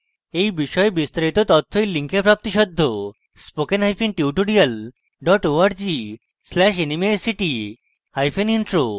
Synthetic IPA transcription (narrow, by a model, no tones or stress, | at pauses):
ejbiʃɔebist̪aɾit̪ot̪ɔt̪ʰːojliŋkepɾap̚t̪iʃɔd̪ʱːo | spokenɦajfʰinʈiuʈoɾial | ɖɔʈoaɾd͡ʑi | slɛʃ̬enimesiʈi | hajfʰeniɳʈɾo